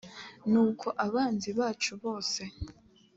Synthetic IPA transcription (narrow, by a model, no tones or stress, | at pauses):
nuːkʰo̞ʔaβaːnziβaːt͡ʃuβo̞ːse̞